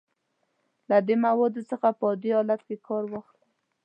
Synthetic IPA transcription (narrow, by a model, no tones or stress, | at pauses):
lad̪emawɑd̪osəxapəɑd̪eɑlat̪kekʰɑɾwɑxl